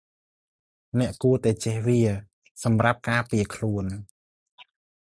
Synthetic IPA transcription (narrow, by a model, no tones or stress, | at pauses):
nɛ̆əʔkuət̪aɛt͡ɕɛhʋiə | sɑmrap̚kaːpiəkʰluən